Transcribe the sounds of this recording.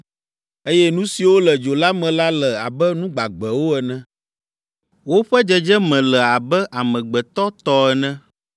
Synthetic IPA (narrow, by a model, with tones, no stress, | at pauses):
e˦jɛ˦nũ˦si˨wo˦lɛ˨d͡ʒo˨la˦mɛ̃˨la˦lɛ˨a˨bɛ˦nũ˦ɡ͡ba˨ɡ͡bɛ˨wo˦ɛ˨nɛ̃˦ | wo˦ɸɛ˦d͡ʒɛ˦d͡ʒɛ˦mɛ̃˨lɛ˨a˨bɛ˦ʔa˨mɛ̃˨ɡ͡bɛ˨t̪ɔ˦t̪ɔ˦ɛ˨nɛ̃˦